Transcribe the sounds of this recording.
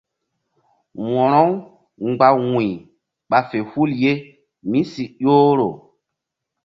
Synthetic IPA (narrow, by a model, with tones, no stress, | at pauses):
wɔ˨ɾɔ˦w | ŋ͡mɡ͡ba˨wĩ˨ | ɓa˨fe˨hu˦lje˦ | mĩ˦si˨ʄoː˦ɾo˨